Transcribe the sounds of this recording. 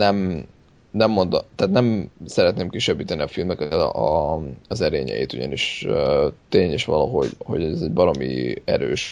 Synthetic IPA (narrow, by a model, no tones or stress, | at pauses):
nɛm | nɛmːo̞nd̪ot̪aːt̪nɛmsɛɾɛt̪neːmkiʃɛbːiːt̪ɛniɒfilmɛkɛt̪ | ɒzɛɾḛːɲɛ̰jḭːt̪uɟɒ̰niʃøt̪eːɲeʃʋɒlɒɦo̞̰ɟho̞̰ɟɛɛzɛɟbɒɾo̞mḭɛ̰ɾøːʃ